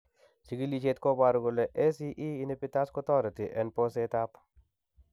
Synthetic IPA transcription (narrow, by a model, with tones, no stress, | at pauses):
si˨ɡi˦li˨˦t͡ʃe˦t̪ko˦ba˨ɾɡʊ˨le˨ʔe˦si˦ʔiː˦ne˦pi˦ta˦skɔ˦tɔ˦ɾɪ˨ti˨ʔɛ˨npo˦se˦ta˦p